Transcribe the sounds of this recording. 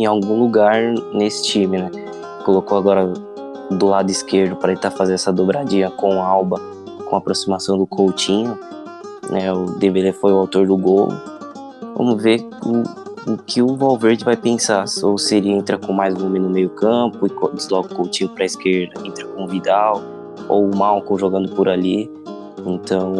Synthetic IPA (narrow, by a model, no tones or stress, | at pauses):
ẽawɡũluɡaɾnesɪ̥t͡ʃĩmɪnɛ | kolokoaɡɔɾɐ | d̪ʊlad̪ʊiskeɾd̪ʊpɾɐt̪ẽt̪aɾfazẽd̪ɛsɐd̪obɾad͡ʒĩɐkõw̃awbɐ | kõapɾosimasɐ̃w̃d̪ʊkʰowt͡ʃĩɲʊ | nʔɛʊd̪evelefojʊawt̪oɾd̪ʊɡolʊ̰ | vɐ̰̃mʊzve | ʊʊkʰɪʊvawveɾd͡ʒɪvajpẽsasowsɪelɪẽnt̪ɾɐkõmajzũõmɪ̃nʊmejʊkɐ̃pʊɪkd͡ʒɪzlɔkʊkowt͡ʃĩɲʊpɾɐɪskeɾd̪ɐẽnt̪ɾɐkõʊvid̪aw | o̰wmawkõwʒoɡɐ̃nd̪ʊpʊɾali | ẽnt̪ɐ̃w̃